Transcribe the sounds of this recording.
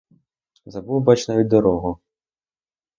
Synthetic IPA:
zɐbuwbat͡ʃnaʋʲid̪ɔɾɔɦʊ

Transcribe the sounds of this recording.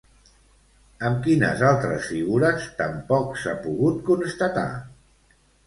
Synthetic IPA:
əmkinə̰zalˠt̪ɾəsfiɣuɾəst̪əmpɔksapuɣut̪̚kunst̪ət̪a̰

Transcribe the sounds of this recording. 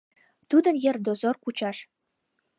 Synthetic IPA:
t̪ud̪ɤ̆njĕrd̪ozorkut͡ɕɑʂ

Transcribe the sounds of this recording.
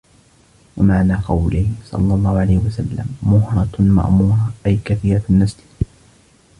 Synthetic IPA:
wamaʕnaːqɑwlɪhsˤɑ̰lːɑlˤːɑːhʊʕalajhɪwasalːa̰mːʊhɾˤɑma̰ʔmuːɾˤɑʔajkaθiːɾanːasl

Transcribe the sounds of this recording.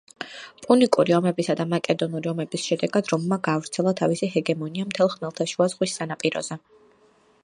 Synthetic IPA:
pʼunikʼuɾiɔmɛbisad̪amakʼɛd̪ɔnuɾiɔmɛbisʃɛd̪ɛɡad̪ɾɔmmaɡaːvɾt̪sʰɛlˠat̪ʰavisiɦɛɡɛmɔniamt̪ʰɛlˠχmɛlˠt̪ʰaʃuazʁwisːanapʼiɾɔ̰z̥ɛ

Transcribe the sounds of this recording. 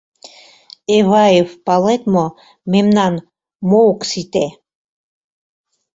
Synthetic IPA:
evaivpalɛt̪mɔ | mɛmnan | mɔwksit̪ɛ

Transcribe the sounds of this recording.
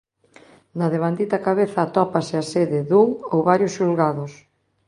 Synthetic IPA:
naðeβand̪it̪ɐakaβeθɐːt̪ɔpasɪaseðɪðuŋowβaɾjosʃulɣaðʊs

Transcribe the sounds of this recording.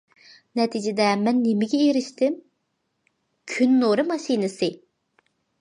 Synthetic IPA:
nɛt̪ʰid͡ʒɪd̪ɛmɛnːemɪɡʲɛeɾɪʃt̪ɪm | kʲʰynːoɾɨmɑʃinɨsɨ

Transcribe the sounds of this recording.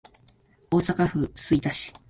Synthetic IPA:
o̞ːsakaɸɯ̟sɨit̪aɕi̥

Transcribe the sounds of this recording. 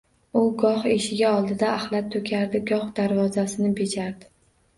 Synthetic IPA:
ʊɡɒχe̞ʃɪɡʲaɒlˠd̪ɪd̪aːhlˠat̪ʰːokʲʰaɾd̪ɪɡɒχd̪aɾvɒzasɪnɪbe̞d͡ʒaɾd̪ɪ

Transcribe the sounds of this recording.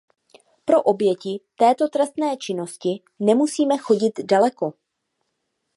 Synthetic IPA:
pɾo̞ʔo̞bjɛcɪt̪ɛːt̪o̞t̪ɾɛst̪nɛːt͡ʃɪno̞scɪ | nɛmusiːmɛxo̞ɟɪt̪dalɛko̞

